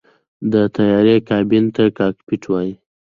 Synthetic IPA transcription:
d̪ət̪ajɑɾekɑbint̪akɑkpiʈʰwɑji

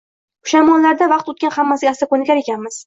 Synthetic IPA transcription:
ʊ̥ʃamɒnlaɾd̪avɑqt̪ʊt̪̚kʲanhamːasɪɡʲast̪akonɪkʲaɾekʲʰanmɪz̥

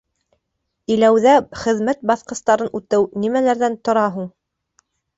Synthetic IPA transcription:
ilæwðæχɘ̆ðmæt̪̚bɑθqɤ̆st̪ɑɾɤnʉt̪ɘwnimælæɾðænt̪ŏɾɑɦuɴ

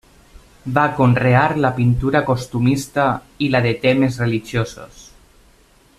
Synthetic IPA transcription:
bakonreaɾlapint̪uɾakost̪umist̪a | ilaðet̪ɛmezreliʒjoso̰s

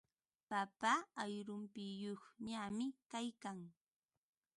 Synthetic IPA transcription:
papaajɾʊmpɪjoχɲamɪkajkaŋ

